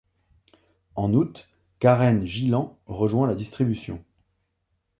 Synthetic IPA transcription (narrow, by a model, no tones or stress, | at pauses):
ɑ̃nut̪ | kaʁɛnʒilɑ̃ʁəʒwɛ̃lad̪ist̪χibysjɔ̰̃